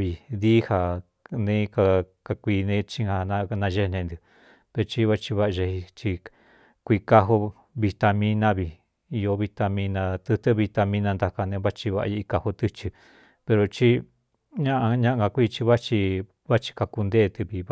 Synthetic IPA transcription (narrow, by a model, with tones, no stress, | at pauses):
βi˨ði˦ha˨ | nẽ˦ka˧ka˧kʷiː˧nẽ˦t͡ʃĩ˦ha˧nã˧nã˧ʒe˦nẽ˧nd̪i˧˨ | t̪e˧t͡ʃi˦βa˦t͡ʃi˧βa˦˧ʒe˧hi˧t͡ʃi˧ | kʷi˧ka˧ɦo˧ | βi˧t̪a˧mĩ˦nã˦βi˨ | i˧jo˧βi˧t̪a˧mĩ˧nã˧t̪ɨ˧t̪ɨ˦βi˧t̪a˧mĩ˦nã˧nd̪a˧ka˧nẽ˧˦βa˦t͡ʃi˧βa˧ʔa̰˧ji˧ka˧ho˧t̪ɨ˦t͡ʃi˧ | pe˧ɾo˧t͡ʃi˦ | ɲã˦ʔa˧ɲã˦ʔɡa˧kʷi˦˧t͡ʃi˧βa˦t͡ʃi˧ | βa˦t͡ʃi̥˧ka˧ku˧nd̪e˦˧t̪ɨ˧βi˨β